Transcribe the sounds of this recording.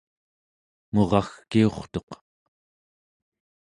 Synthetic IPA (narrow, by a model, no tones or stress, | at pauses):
mo̞ʁɑxkio̞χt̪o̞q